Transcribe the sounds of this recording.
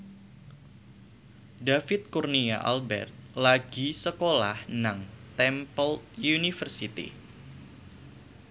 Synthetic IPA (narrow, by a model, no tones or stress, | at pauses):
dafɪt̪̚kurnia̰ʔa̰lbɛ̰rt̪̚laɡ̥isəkola̰hnaŋt̪ɛmpəlt̪junifərsit̪ḭ